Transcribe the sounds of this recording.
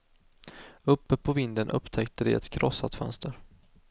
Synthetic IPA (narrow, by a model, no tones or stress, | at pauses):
ɵpːəpʰɔvɪnd̪ənʔɵ̰pt̪ʰɛkt̪əd̪ɛɛ̰t̪kʰɾʔɔsːat̪fœ̰nst̪əɾ